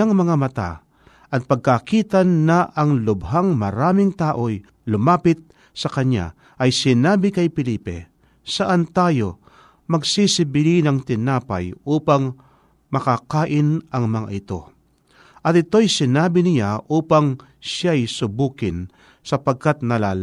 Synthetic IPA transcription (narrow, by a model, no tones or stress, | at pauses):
aŋmɐŋamɐt̪a̰ | ʔɐt̪̚pɐɡ̚kakiːt̪ɐnːɐʔɐŋlʊbɦaŋmɐɾaːmɪŋt̪aːʔoj | lʊmaːpɪt̪̚ | sɐkɐɲa̰ | ʔɐjsɪnaːbɪkɐjpɪliːpɛ̰ | sɐʔant̪aːjo | mɐɡsisɪbɪlinɐŋt̪ɪnaːpɐ̰jʔuːpɐŋ | mɐkakaːʔɪnɐŋmɐŋa̰ʔɪt̪o̞ | ʔɐt̪̚ɪt̪o̞jsɪnaːbɪnɪjaʔuːpɐŋ | ʃajsʊbuːkɪn | sɐpɐɡ̚kat̪̚nɐlaːl